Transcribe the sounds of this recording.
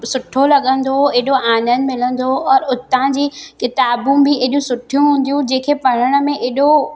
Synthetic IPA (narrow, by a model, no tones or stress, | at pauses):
sʊʈʰolɐɠə̃nd̪oeːɗoaːnənɪ̆mɪlə̃nd̪oɔːɾʊt̪ãd͡ʑiːkɪt̪aːbũbɪeɗũsʊʈʰijũɦũːn̆d̪jũd͡ʑẽːkʰepɐɽ̤əɽ̃ə̆mẽʔeːɗo